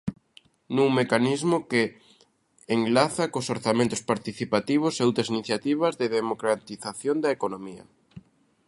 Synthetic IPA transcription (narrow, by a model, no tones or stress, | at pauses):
nuŋmekanizmʊke | eŋlaθakosoɾθamẽnt̪ʊspaɾt̪iθipat̪iβ̞ʊseowt̪ɾɐs̬iniθjat̪iβɐzðeðemokɾat̪iθaθjond̪ɐekonomiɐ̰